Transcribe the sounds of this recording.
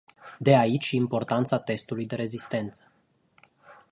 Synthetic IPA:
d̪e̞ait͡ʃʲimpo̞rt̪ant̪sat̪e̞st̪ulujd̪e̞ɾe̞zist̪e̞nt̪sə̥

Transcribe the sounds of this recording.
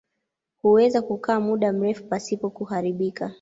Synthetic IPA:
huwɛzakukaːmuɗam̩ɾɛfupasipɔkuɦaɾiɓikʰa

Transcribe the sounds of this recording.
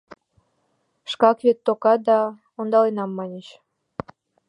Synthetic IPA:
ʃkɑkβet̪ːokɑd̪ɑ | ond̪ɑlenɑmːɑnʲet͡ɕ

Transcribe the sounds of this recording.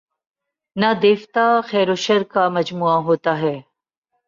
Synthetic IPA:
nad̪eːft̪axɛːɾoːʃɐɾkamɐd͡ʒmuːaɦoːt̪aɦɛː

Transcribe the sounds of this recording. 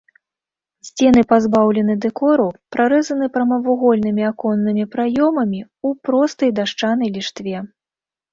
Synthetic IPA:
sʲt͡sʲɛn̪ɨpazbawlʲɛnɨd̪ɛkɔɾupɾaɾɛzɐn̪ɨpɾɐmɐvuɣɔlʲnɨmʲiakɔnːɨmʲipɾajɔmɐmʲi | upɾɔst̪ɐjd̪aʂt͡ʂan̪ɐjlʲiʂt̪vʲɛ

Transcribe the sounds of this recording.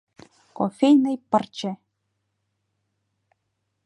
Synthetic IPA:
kofejnəjpə̆rt͡ɕĕ

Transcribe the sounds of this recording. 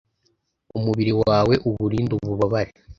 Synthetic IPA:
umuβiɾiwaːwe̞ʔuβuɾiːnduβuβaβaɾe

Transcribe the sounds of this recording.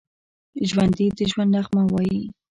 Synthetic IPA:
ʒwand̪id̪əʒwand̪naxmawɑji

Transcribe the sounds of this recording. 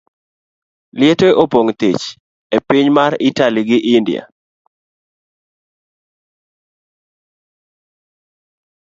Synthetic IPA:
lɪeteʔopoŋt̪it͡ʃ | epɪɲmaɾitaliɡɪʔɪndɪja̰

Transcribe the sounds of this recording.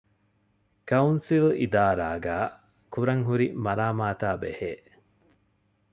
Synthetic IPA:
kɐunsilid̪aːɾaːɡæː | kuɾɐŋɦuɾimɐɾaːmaːt̪aːbḛheː

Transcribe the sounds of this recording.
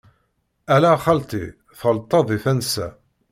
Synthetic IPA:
ælæχɑlt̪ˤḭ | θəlt̪ˤːɑðˤifænsæ̰

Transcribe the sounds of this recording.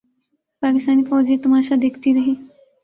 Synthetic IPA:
pakist̪aniːfɔd͡ʑet̪umaɕad̪ekʰt̪iːɾəɦe

